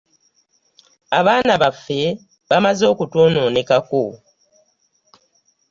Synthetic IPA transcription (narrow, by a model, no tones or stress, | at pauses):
aβaːnaβafːe̞ | βamazo̞ːkutoːnoːne̞kako